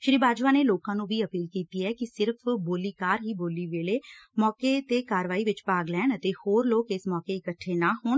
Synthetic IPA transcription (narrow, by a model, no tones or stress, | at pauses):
ʃɾiːbaːd͡ʒʋaːneːloːkãːnũːʋiːəpiːlkiːt̪iːɛːkɪsɪɾpʰboːliːkaːɾɦiːboːliːʋeːleːmɔːkeːt̪eːkaːɾʋaːiːʋɪt͡ʃpaːɡlɛːɳət̪eːhoːɾloːkɪsmɔːkeːɪkəʈʰːeːnaːɦoːɳ